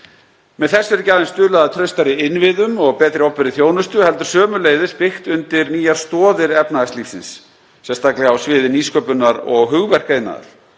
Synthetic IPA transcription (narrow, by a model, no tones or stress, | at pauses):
mɛðθɛsːʏɾʏcaːɾɪnst̪ʏːlaðat̪ʰɾœɥst̪aɾɪɪnvɪðʏmɔɣpɛːt̪ɾɪɔwhpɛɾɪθjoːwnʏst̪ʏhɛlt̪ʏɾ̥sœːmʏleːjðɪspɪxt̪ʏnt̪ɪɾniːjaɾ̥st̪ɔːðɪɾɛpnaðast̪liːfsɪnsː | ɛnst̪ʰaklɪɣawsvɪːðɪniːskœːpʏnaɾɔɣɦʏɣvɛr̥kaɪnːa̰ða̰ɾ̥